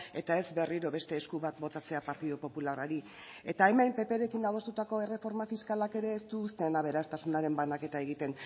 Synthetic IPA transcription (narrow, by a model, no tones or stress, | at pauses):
e̞t̪ae̞zbe̞riɾo̞βe̞st̪e̞ːskuβat̪̚bo̞t̪at͡se̞apaɾt̪iðupo̞pularaɾi | e̞t̪ae̞mejmpe̞pe̞ɾe̞kinaðo̞st̪ut̪ako̞e̞re̞fo̞ɾmafiskalake̞ɾe̞ːst̪uːst̪e̞naβ̞e̞ɾast̪asunaɾe̞mbanake̞t̪ae̞ɣit̪e̞n